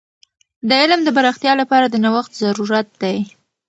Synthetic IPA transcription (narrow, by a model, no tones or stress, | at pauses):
d̪əɪlmd̪əbaɾaxt̪jɑlapɑɾad̪ənawaxt̪zaɾuɾat̪̚d̪aj